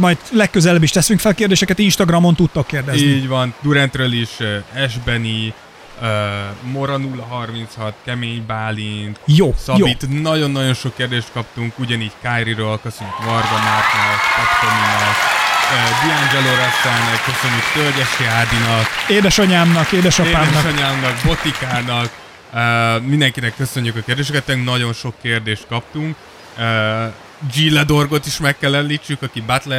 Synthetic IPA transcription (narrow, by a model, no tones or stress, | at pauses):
mɒjd̪lɛkːøzɛlɛbiʃt̪ɛsyŋkfɛlkeːrd̪eːʃɛkɛt̪inʃt̪ɒɡrɒmo̞nt̪ut̪ːokːeːrd̪ɛziniːɟvɒnd̪uɾɛnt̪røliʃøːɛʒbɛni | øːmo̞ɾɒnulːɒɦɒrmint̪shɒt̪kɛmeːɲbaːlint̪joːsɒjobit̪nɒɟo̞nːɒɟo̞nʃo̞kːeːrd̪eːʃt̪̚kɒp̚t̪uŋkuɟɒniːɟkajɾiɾøːlkøsøɲːykvɒrɡɒnat̪nɛkpɒt̪koninɛkøːd̪iɛand͡ʒɛloɾɛsɛlnɛkːøsø̞ɲːykt̪ølɟɛʃiaːd̪inɒkeːd̪ɛʃɒɲaːmnɒkeːd̪ɛʃɒeːdɛʃɒɲaːmnɒkbo̞t̪ikaːnɒk | øːmind̪ɛŋkinɛkːø̞sø̞ɲːykɒkeːrd̪eːʃ̬ɛkɛt̪ːɛŋknɒɟo̞nʃo̞kːeːrd̪eːʃt̪̚kɒp̚t̪uŋk | øː | d͡ʒilɛd̪o̞rɡo̞t̪iʃmɛkkːɛlːɛllːiːt͡ʃːykɒkibat̪lɛ